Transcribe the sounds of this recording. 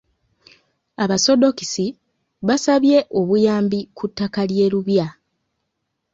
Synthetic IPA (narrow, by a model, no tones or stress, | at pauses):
aβaso̞do̞ki̥si | βasaβje̞ʔo̞βujaːmbikutːakalje̞ːɾuβja